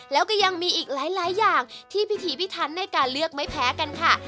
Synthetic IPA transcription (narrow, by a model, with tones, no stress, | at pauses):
lɛː˦˥wkɔː˥˩ja˧ŋmiː˧ʔiː˨˩k̚laː˩˦jlaː˨˦jːaː˨˩ŋt̪ʰiː˥˩pʰi˦˥t̪ʰiː˨˦pi˦˥t̪ʰa˦˥nːa˧jkaː˧nlɯ˥˩ək̚ma˥˩jpʰɛː˦˥ka˧nkʰa˥˩